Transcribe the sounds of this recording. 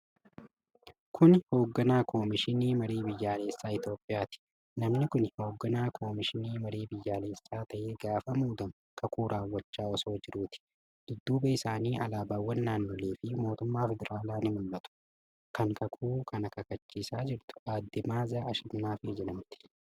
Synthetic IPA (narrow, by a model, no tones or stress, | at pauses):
kʰʊnho̞ːɡːɐnaːkʰo̞ːmɪʃɪniːmɐɾeːbɪjːaːle̞ːsːaːɪt̪jo̞ːpʼːɪjaːt̪ɪ̥ | nɐmnɪkʊnho̞ːɡːɐnaːkʰo̞ːmɪʃɪniːmɐɾeːbɪjːaːle̞ːsːaːt̪ɐʔe̞ːɡaːfɐmuːd̪ɐŋ | kʰɐkʰuːɾʔaːwːɐt͡ʃːaːɔso̞ːd͡ʒɪɾuːt̪ɪ̥ | d̪̥ʊd̪ːuːbɐɪsaːniːʔɐlaːbaːwːɐnːaːnːoːle̞ːfɪmo̞ːt̪ʊmːaːfɛd̪ɛɾʔaːlaːnɪmʊlːɐt̪ʊ̥ | kʰɐŋkʰɐkʰuːkʰɐnɐkɐkɐt͡ʃːiːsaːd͡ʒɪɾt̪ʊ̥aːd̪ːɪmaːzaːɐʃɪmnaːfɪd͡ʒɛᶑɐmt̪ɪ̥